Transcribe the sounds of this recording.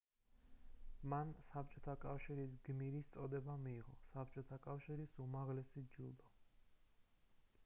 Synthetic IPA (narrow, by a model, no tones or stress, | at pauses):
mansap̚ʰt͡ʃʼɔt̪ʰakʼafʃiɾis̬ɡmiɾist̪sʼɔd̪ɛbamiːʁɔ̰sap̚ʰt͡ʃʼɔt̪ʰakʼafʃiɾisumaʁlɛsid͡ʒṵlˠd̪ɔ